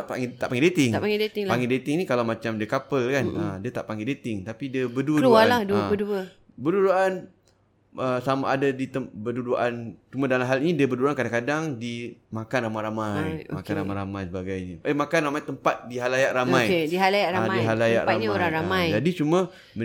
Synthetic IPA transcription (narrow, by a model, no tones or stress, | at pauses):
ʔpa̰ŋt̪aʔpaŋɡedet̪ɪŋapaŋɡedet̪ɪŋpaŋɡedet̪ɪŋnikalawmat͡ʃamdiəkapəlkanədiət̪aʔpaŋɡedet̪ɪŋt̪apidiəbəduəlualahdubəduə | bəduduʔan | əsamaʔadadit̪əbəduduʔant͡ʃumãdalamɦalinĩdiəbəduuankadaŋkadaŋdimakanramajɾamajmakkanɾamajɾamajsəbaɡajɲəʔəmakanramajt̪əmpat̪̚diɦalajaʔramãjediɦalajaʔɾaadiɦalaja̰ʔɾamɲoɾaŋɾamajd͡ʒadit͡ʃumə | mə